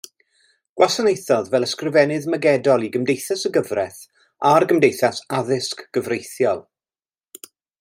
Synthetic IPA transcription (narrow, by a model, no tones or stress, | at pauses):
ɡ̥wasanejθɔðvɛlˠəskrɪvɛnɨðməɡɛdɔlˠiɡəmdejθasəɡəvrɛθ | arɡəmdejθasaðɪskɡ̥əvrejθjɔlˠ